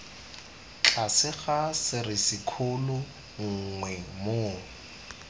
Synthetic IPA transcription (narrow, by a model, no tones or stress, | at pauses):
t͡ɬʰʼasɪχasɪrɪsɪkʰʊlʊ | ŋ̩ŋwɛmoː